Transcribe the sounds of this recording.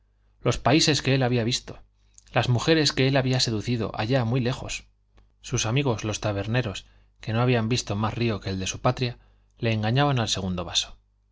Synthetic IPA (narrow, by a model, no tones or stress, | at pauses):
lo̞spaise̞ske̞e̞laβiaβist̪o̞̥ | lazmuxe̞ɾe̞ske̞elaβiase̞ðuθið̞o̞̰ʔa̰ʝamwile̞xo̞̰s | susamiɣ̞o̞zlo̞st̪aβe̞ɾne̞ɾo̞s | ke̞no̞aβiambist̪o̞masrio̞ke̞ːld̪e̞supat̪ɾja | le̞ːŋɡaɲaβanalseɣ̞und̪o̞βaso̞̥